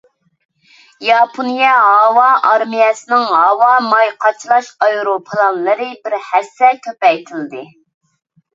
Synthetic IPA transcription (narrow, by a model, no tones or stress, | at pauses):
jɑpʰonijɛɦɑwɑʔɑɾmijɛsɨnɪŋɦɑwɑmɑjqʰɑt͡ʃʰlˠɑʃɑjɾopʰɨlˠɑnlˠɨɾɨbɪɾhæsːɛlkʲʰøpɛjt̪ʰɨlˠɨd̪ɨ